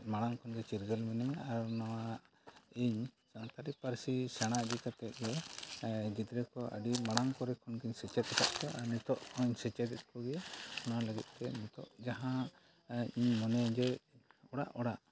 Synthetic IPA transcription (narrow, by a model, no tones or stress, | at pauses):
maɽ̃aŋkʰɔnɡɛt͡ʃiɾɡɛlmɛnɛɲaaɾnɔwa | iɲsant̪aɾipaɾsisɛɽ̃aʔd͡ʒikat̪ɛt̪̚ɡɛ | ɡid̪ɾɛkɔʔə̰ɖimaɽ̃aŋkɔɾɛkʰɔnɡiɲsɛt͡ʃɛt̪̚ɛt̪ʰa̰ʔkɔʔaɾnit̪ɔʔɔɲsɛt͡ʃɛd̪ɛt̪̚ˀkɔɡɛjaɔnaləɡit̪̚ˀt̪ɛmut̪ɔ̰ʔd͡ʒaɦã | iɲmɔnɛɲd͡ʒɛɔɽa̰ʔɔɽaʔ